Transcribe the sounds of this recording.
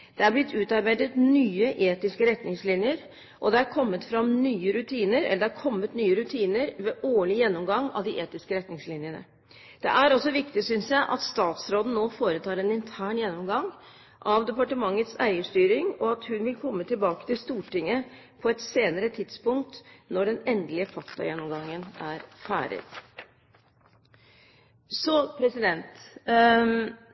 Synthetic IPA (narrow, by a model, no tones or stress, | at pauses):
d̪̥ɛæɾblɪt̪ʰːʉːt̪ɑɾbæɪd̪ət̪nyːəʔeːt̪ɪskəɾɛt̪nɪŋslɪnjəɾ | ʔɔd̪ɛæɾkʰɔmːət̪fɾɑmnyːəɾʉt̪ʰiːnəɾɛ̰lːəd̪ɛæɾkʰɔmːət̪nyːəɾʉt̪ʰiːnəɾʋeːʔoːɭɪjɛnːɔmɡɑŋːɑ̰ʋd̪ɪʔeːt̪ɪskəɾɛt̪nɪŋslɪnjənə̰ | d̪̥ɛ̰ʔæɾɔsːɔʋɪkt̪ɪsʏnsjæɪʔɑt̪st̪ɑːt̪sɾoːd̪n̩noːfoːɾət̪ʰɑːɾɛnɪnt̪ʰæːɳjɛnːɔmɡɑŋ | ʔɑʋd̪ɛpɑʈəmɑŋːət̪sæ̰ɪəʂt̪yːɾɪŋɔɑt̪hʉnʋɪlkʰɔmːət̪ɪlbɑːkə̥t̪ɪlst̪uːʈɪŋːə | pʰɔɛt̪seːnəɾət̪ʰɪd̪spʊŋkt̪nɔɖɛnɛnd̪lɪəfɑkt̪ʰɑ̰jɛnːɔmɡɑŋːənæɾfæ̰ːɾə̰ | sɔpʰɾɛsɪd̪ɛnt̪